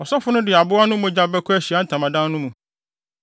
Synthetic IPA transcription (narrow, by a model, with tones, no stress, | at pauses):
ɔ˨sɔ˦fʊ˦nʊ̃˦dɪ˨a˨bʊ˦a˦nʊ̃˦mʊ̃˨d͡ʑa˦bɛ˦kʰʊ˦æ˦˨ɕi˨a˦n̩˦tʰã˨mã˨dã˦nʊ̃˦mũ˨